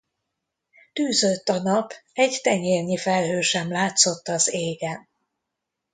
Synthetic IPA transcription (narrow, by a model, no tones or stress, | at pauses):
t̪yːzøt̪ːɒnɒpɛɟt̪ɛɲeːrɲifɛlɦøːʃɛmlaːt̪so̞t̪ːɒzeːɡɛn